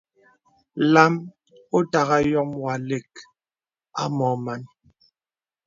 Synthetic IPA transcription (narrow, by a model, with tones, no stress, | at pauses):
la˦m | o˦ta˨ɣa˦jɔ˦ŋwa˨le˨k̚ | a̰˦mɔ˨ma˨n